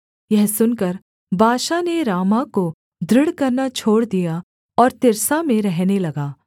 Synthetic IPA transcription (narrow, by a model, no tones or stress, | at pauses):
jɛɦsʊnkɐɾ | bʱaːʃaneɾaːmako | d̪ʱɾɪɽkɐɾnat͡ʃʰoːɽd̪ija | ɔːɾt̪ɪɾsamẽɾɛɦnelɐɡaː